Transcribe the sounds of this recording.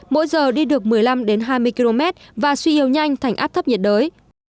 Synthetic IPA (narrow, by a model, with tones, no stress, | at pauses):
mo̰˧˥jzəː˨˩ɗi˧ɗɨ˨˩ək̚mɨ˨˩əjla˧mɗe˨˦nɦaː˧jmɨ˧əjki˧lo˧mɛ˦˥t̚vaː˨˩swi˧ʔi˨˦əwɲa˧jŋ̟t̪ʰa˨˩jŋʔaː˦˥p̚t̪ʰə˦˥p̚ɲi˨˩t̚ɗəː˨˦j